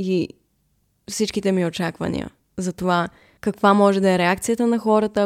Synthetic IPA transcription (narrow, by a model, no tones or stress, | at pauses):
i | fsit͡ʃkit̪ɛmiot͡ʃakvə̰nḭə̰ | zɐt̪ova | kəkvamɔʒɛd̪ɐɛɾɛakt̪sijət̪ənɐxɔɾət̪ə